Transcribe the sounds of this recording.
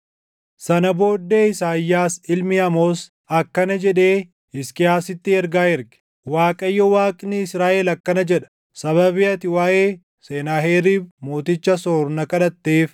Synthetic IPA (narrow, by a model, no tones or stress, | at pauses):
sɐnɐbo̞ːd̪ːeːɪsaːjːaːsɪlmɪɐmoːs | ɐkːɐnɐd͡ʒɛᶑe̞ː | ɪskɪaːsɪt̪ːɪɛɾɡaːɛɾɡɪ̥ | waːkʼɐjːɔwaːkʼnɪɪsɾaːʔelɐkːɐnɐd͡ʒɛᶑɐ̥ | sɐβɐbɪɐt̪ɪwaːʔeː | seːnaːɦeːɾiːbmoːt̪ɪt͡ʃːɐsoːɾnɐkɐᶑɐt̪ːeːf